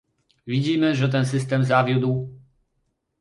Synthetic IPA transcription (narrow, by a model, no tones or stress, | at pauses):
vʲid͡ʑimɘʐɛt̪̬ɛnsɘs̬t̪ɛmzavʲjud̪w